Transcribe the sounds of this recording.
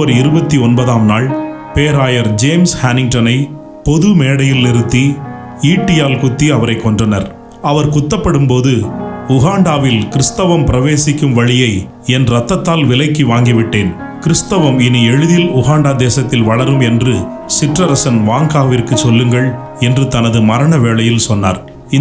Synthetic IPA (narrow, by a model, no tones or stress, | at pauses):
ɐɾɪɾɯbɐt̪ːiɔnbɐðaːmnaːɭ | peːɾaːjɐɾd͡ʒeːmshaːnɪŋ̚ʈɐnɐɪ | pɔðɯmeːɽɐjɪlnɪɾɯt̪ːi | iːʈːɪjaːlkʊt̪ːiɐʋɐɾɐɪkːɔɳdrɐnɐɾ | ɐʋɐɾkʊt̪ːɐpːɐɽɯmpoːðɯʊɣaːɳɖaːʋɪlkɪɾɯst̪ɐʋɐmpɪɾɐʋeːsɪkːɯmʋɐɻɪjɐɪ | ɛnɾɐt̪ːɐt̪ːaːlʋɪlɐɪkːiʋaːŋɡiʋɪʈːeːn | kɪɾɯst̪ɐʋɐmɪniɛɻɯðɪlʊɣaːɳɖaːd̪eːsɐt̪ːɪlʋɐɭɐɾɯmɛndrɯ | sɪʈrɐɾɐsɐnʋaːŋɡaːʋɪrkɯt͡ʃːɔlːɯŋɡɐɭ | ɛndrɯt̪ɐnɐðɯmɐɾɐɳɐʋeːɭɐjɪlsɔnːa̰ːɾ | ɪ